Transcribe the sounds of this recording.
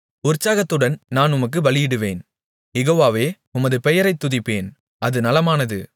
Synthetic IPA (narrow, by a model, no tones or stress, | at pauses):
ʊɾt͡ʃːaːɣɐt̪ːɯɽɐnnaːnʊmɐk̬ːɯʋɐlɪjɪɽɯʋḛːn | jɛɣoːʋaːʋeː | ʊmɐðɯpɛjɐɾɐɪt̪ːʊðɪpːeːn | ʔɐðɯnɐlɐmaːnɐðɯ̰